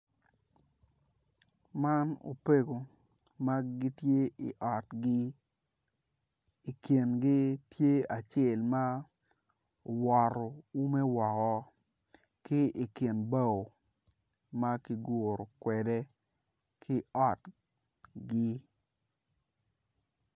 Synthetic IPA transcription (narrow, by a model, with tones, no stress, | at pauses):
ma˦no̰˨pe˦ɡo˨ | ma˦ɡɪ˦tje˦i˨ʔɔ˨tɡɪ˦˨ | ke˨nɡɪ˦tje˦a˨t͡ʃe˦˨lma˦ | o˨wɔ˨ɾo˨u˦mɛ˦wɔ˨kɔ˦ | kɪ˦i˨ke˨nba˦˨o˨ | ma˦ki˨ɡo˨ɾo˨kwɛ˨dɛ˦ | kʰɪ˦ɔ˨t | ɡɪ˦